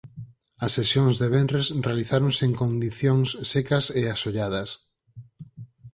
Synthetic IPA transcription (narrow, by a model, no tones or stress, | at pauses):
ɐsːesjoŋzðeβenresrealiθaɾõŋseeŋkond̪iθjoŋsːekɐseasoʎað̞ɐs